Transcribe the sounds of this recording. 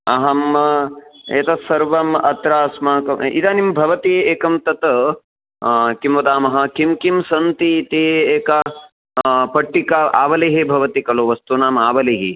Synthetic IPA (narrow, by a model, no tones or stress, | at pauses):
ɐɦɐm | eːt̪ɐsɐɾʋɐmɐt̪ɾaːsmɐɦɐkɐḭt̪aːnimbʱɐʋɐt̪ieːkɐmt̪ɐt̪ɐ | kimʋɐd̪aːmɐɦɐ̆kimkimsɐnt̪it̪ieːkɐ | pɐʈːikaa̰ːʋɐleːɦebʱɐʋɐt̪ikɐloʋɐst̪unaːmaːʋɐleːɦi